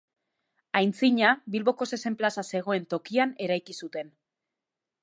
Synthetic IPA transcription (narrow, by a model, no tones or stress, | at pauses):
ajnt͡siɲaβilβo̞ko̞se̞se̞mplasase̞ɣ̞o̞e̞nt̪o̞kiane̞ɾajkisut̪e̞n